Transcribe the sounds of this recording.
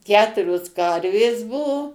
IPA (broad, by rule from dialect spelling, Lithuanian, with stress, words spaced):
ˈkʲæːtʊrʲoːs ˈkɐrʲʋʲeːs ˈbʊʋoː